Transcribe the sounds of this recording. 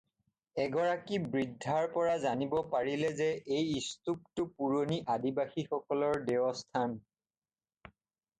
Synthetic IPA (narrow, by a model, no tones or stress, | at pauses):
ɛɡɔɹakibɹidʱːaɹpɔɹazanibɔpaɹilɛzɛʔejistup̚tʊpuɹoniʔadibaxixɔkɔlɔɹdeɔstʰan